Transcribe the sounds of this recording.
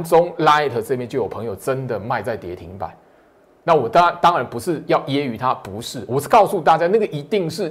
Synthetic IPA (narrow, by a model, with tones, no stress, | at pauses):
nt͡sʊ˦ŋla˥ɪ˨t̪ʰə˨˩t͡sɤ˥˧pjɛ˥˧nt͡ɕjo˥˩ʊjo˨˩pʰŋjo˨˩ʊʈ͡ʂə˦nd̪ə˨ma˥˧ɪt͡sa˥˩ɪt̪jɛ˨˦˥t̪ʰḭ˨˦ŋpa̰˨˩˦n | na˥˩wɔ˨˩t̪a˦t̪ɑ˦˥ŋɻa˨˦npu˨˦ʂɻ̩˥˨jɑ˥˨˩ʊjɛ˥˦y˨˦t̪ʰa˦pu˨˦ʂɻ̩˥˩wɔ˨˩˥kɑ˥˧ʊsu˥˧t̪̬a˥˩t͡ɕja˦na˥˩ɡə˨ʔi˧˦˥t̪i˥˨˧ŋʂɻ̩˥˩